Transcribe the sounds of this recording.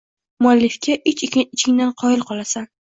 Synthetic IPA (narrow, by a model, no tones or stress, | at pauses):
mʊalːɪfkʲʰaʔɪt͡ʃɪɪt͡ʃʰɪŋd̪anqʰɒjɪlˠqʰɒlˠasan